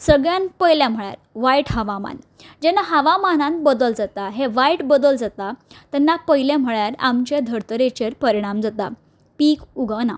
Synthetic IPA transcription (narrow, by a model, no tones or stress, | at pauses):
səɡɭjanpəjljãm̤əɭja̰ɾʋaiʈɦaʋama̰n | d͡ʑɛnːaɦaʋamanãnbəd̪əld͡zat̪aɦeʋaiʈbəd̪əld͡zat̪at̪ɛnːapəjlem̤əɭjaɾa̰mt͡ɕed̪ʱəɾt̪əɾet͡ɕeɾpəɾiɽ̃amd͡zat̪a̰ | piːkuɡana̰